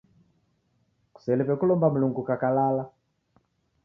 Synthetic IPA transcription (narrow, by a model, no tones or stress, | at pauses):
ku̥sɛlɛpɛkulɔmbamuluŋɡukakalala